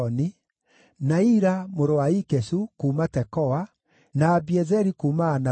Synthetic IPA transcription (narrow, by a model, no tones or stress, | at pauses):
ni | naiɾamoɾoaikesukuːmatɛkɔwa | naːbjɛzɛɾikuːmaːna